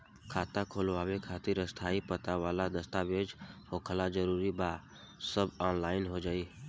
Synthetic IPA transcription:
kʰaːt̪ãkʰoːlaːʋekʰaːt̪ɪɾəst̪ʰaːipət̪aʋaːlad̪əst̪aʋeːd͡ʒhokʰəlad͡ʒəɾuɾiba | səbɔːnlaːɪnɦod͡ʒaːiː

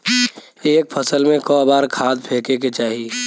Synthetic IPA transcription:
eːk̚pʰəsəlmẽkɔːbaːɾkʰaːd̪̚pʰeːkeket͡ʃaːɦi

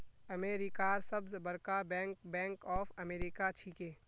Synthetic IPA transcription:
ɐmeːɾikaːɾsɐbzbɐɾkabɛ̃ːŋk̚bɛ̃ːŋkɔːfɐmeːɾikat͡ʃʰiːkeː

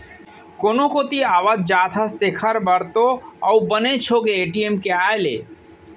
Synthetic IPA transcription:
konokot̪iaːʋad̪̚d͡ʒaːt̪ʰəst̪ekʰəɾbəɾt̪oawbənet͡ʃʰokeːʈiemkeaːjlḛː

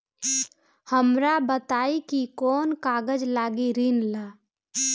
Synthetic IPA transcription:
həmɾabət̪aːikikɔːnkaːɡəd͡ʒlaːɡiɾinlaː

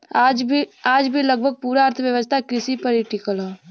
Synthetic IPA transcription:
aːd͡ʒbʱiləɡ̚bʱəɡ̚puːɾaːɾt̪ʰəʋjəʋəst̪ʰakɪsipəɾiʈikəlɦɛː

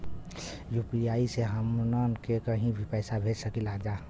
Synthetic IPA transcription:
jupijaːiseɦəmnənkekəɦĩbʱipɛːsabʱed͡ʒsəkilad͡ʒaː

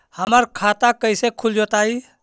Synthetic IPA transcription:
həmaɾkʰaːt̪akəɪsekʰuld͡ʒot̪aːi

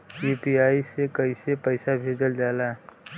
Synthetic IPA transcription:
juːpiaːisekəisepəɪsabʱeːd͡ʒəld͡ʒaːlaɛ

